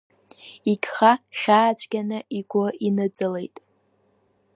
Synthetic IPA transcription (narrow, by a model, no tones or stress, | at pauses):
iɡʲχaʃʲaːt͡ʃʷʰʼɡʲanɨʔiɡʷʊinɨd͡zɨle̞̰jtʼ